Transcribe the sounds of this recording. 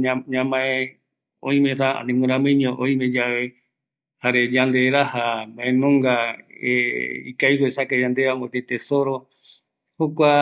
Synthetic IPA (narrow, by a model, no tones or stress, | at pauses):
ɲãmãẽ | õ̰ĩmẽɾaa̰nẽmũɾãmɨ̃ɲõʔõĩmẽd͡ʒaβe | haɾed͡ʒand̪eɾahambaẽnõŋɡaeḭkajkoesakad͡ʒand̪eamõt̪et̪esoɾo | hokʷa